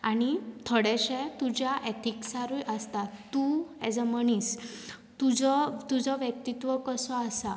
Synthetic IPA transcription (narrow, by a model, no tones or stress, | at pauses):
aɽ̃it̪ʰɔɽɛɕɛt̪ud͡ʑjaʔet̪ʰiksaɾujʔəst̪at̪ːuɛd͡zəməɳ̃iːs | t̪ud͡zɔt̪ud͡zɔʋjək̚t̪it̪ʋəkəsɔasa